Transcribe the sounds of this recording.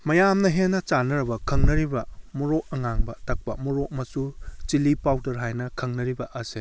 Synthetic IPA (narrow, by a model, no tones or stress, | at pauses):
mɐjamnɐɦenːɐt͡ʃanɐɾɐbɐkʰɐŋnɐɾibɐmuɾoʔɐŋaŋbɐtɐk̚pɐmuɾok̚mɐsut͡ʃilipawdɐɾɦajnɐkʰɐŋnɐɾibɐʔɐse